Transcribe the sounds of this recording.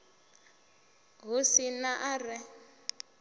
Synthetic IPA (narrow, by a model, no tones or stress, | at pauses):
ɣusinaʔarɛ